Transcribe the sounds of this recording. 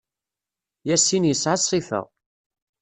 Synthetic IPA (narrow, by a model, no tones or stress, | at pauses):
jæsːinjəsʕɑsˤːifə̰ʁ